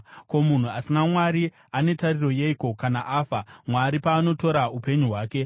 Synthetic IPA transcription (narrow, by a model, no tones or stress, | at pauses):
ko̞mun̤uasinamwaɾi | ane̞tariro̞je̞ikokanaʔaːfamwaɾipaːno̞to̞ɾaupe̞ɲuɦwaːke̞